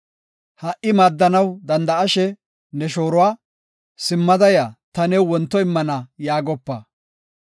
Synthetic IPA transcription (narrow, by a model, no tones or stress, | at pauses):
hɐʔɪmaːd̪ːɐnɐwd̪ɐnd̪ɐɐʃɛ | nɛʃo̞ːɾʊwaː | sɪmːɐd̪ɐjat̪ɐnɛwwɔnt̪ːɔɪmːɐnɐjaːɡɔpːɐ